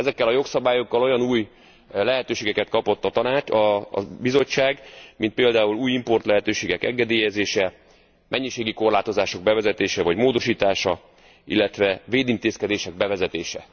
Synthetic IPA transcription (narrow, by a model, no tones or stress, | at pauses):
ɛzɛkːɛlɒjo̞ksɒbaːjo̞kːɒlo̞jɒnuːj | lɛɦɛt̪øːʃeːɡɛkɛt̪kɒpo̞t̪ːɒt̪ɒnaːt͡ʃɒ̰bizo̞t͡ʃːaːɡmint̪̚peːld̪aːuluːjimpo̞rt̪lɛɦɛt̪øːʃeːɡɛkɛ̰ŋɡɛd̪eːjɛzeːʃɛ | mɛɲːiʃeːɡiko̞rlaːt̪o̞zaːʃo̞ɡ̚bɛvɛzɛt̪eːʃɛvɒɟmoːd̪o̞ʃiːt̪aːʃɒ | ḭlːɛt̪ʋɛveːd̪int̪eːskɛd̪eːʃɛɡ̚bɛvɛzɛt̪eːʃɛ̰